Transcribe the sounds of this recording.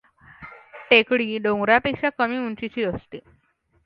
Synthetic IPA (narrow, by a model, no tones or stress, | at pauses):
ʈekɽiːɖõŋɡɾapekɕakəmiːuɳt͡ɕit͡ɕiːəst̪i